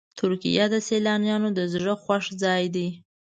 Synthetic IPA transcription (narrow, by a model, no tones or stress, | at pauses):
t̪ʊɾkḭjad̪əselɑnjɑnod̪əzɽəxwaʂd͡zɑjd̪i